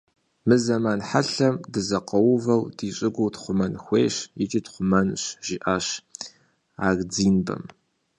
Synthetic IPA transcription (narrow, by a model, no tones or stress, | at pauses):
mɨzɐmaːnħaɬɐmdɨzɐqɐwʊvɐwdiːɕʼɪɡʷʊwtχʷʊmɐnxʷḛːɕjɪt͡ʃʼiːtχʷʊmɐnɕʒ̥iːʔaːɕ | aːɣd͡ziːnbɐ̰m